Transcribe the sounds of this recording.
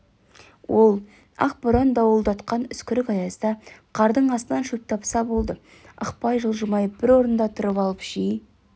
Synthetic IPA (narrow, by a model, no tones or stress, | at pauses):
wʔo̞lˠ | ɑ̰q̚bʊɾɑnd̪ɑwəlˠd̪ɑt̪qɑnʏskʲɪɾɪkɑjɑsd̪ɑqʰɑɾd̪əɴɑst̪ənɑnʃɵp̚t̪ʰɑpsɑbo̞lˠd̪ə | ə̰qpɑjʒəlˠʒəmɑjəb̥ɪɾwo̞ɾənd̪ɑt̪ʰʊɾəpɑlˠəpʒ̥ij